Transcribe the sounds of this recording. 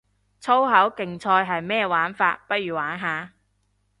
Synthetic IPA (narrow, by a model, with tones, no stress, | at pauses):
t͡sʰo˥wɦɐ˨˥wkɪ˨ŋt͡sʰɔː˧jɦɐ˨jmɛː˥waː˨˥nfa̰ː˧t̚pɐ˥t̚ɥyː˨˩waː˨˥nɦaː˨